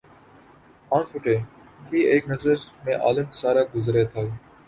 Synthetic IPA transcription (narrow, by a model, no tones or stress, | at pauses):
aːɳfʊʈeː | biːeːknəzəɾmẽːʔa̰ːlɪmsaːɾaːɡʊzɾeːt̪ʰaː